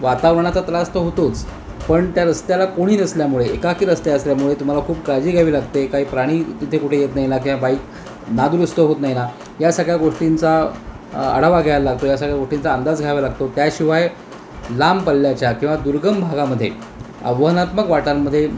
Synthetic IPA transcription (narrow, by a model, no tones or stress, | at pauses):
ʋat̪aʋɾɳ̃at͡sat̪last̪əɦot̪ot͡s | pəɳt̪jaɾəst̪jalakoɽ̃iːnəsljamuɭeekakiːɾəst̪jaəsljamuɭet̪um̤alakʰuːp̚kad͡ʑiːɡʱaʋiːlaɡt̪ekaɦiːpɾaɽ̃iːt̪it̪ʰekuʈʰejet̪naɦjnak̬ĩw̃ʋabaik | nad̪uɾəst̪əɦot̪naɦina | jasaɡɭjaɡoʂʈint͡sa | ə̰ɽ̤aʋaɡʱajalaɡ̚t̪ojasaɡɭjaɡoʂʈint͡saənd̪ad͡zɡʱaʋalaɡ̚t̪ot̪jaɕiʋaj | lampəlːjat͡ɕjakĩw̃ʋad̪uɾɡəmbʱaɡaməd̪ʱːje | ə̰ʋəɦənat̪məkʋaʈamːəd̪ʱːje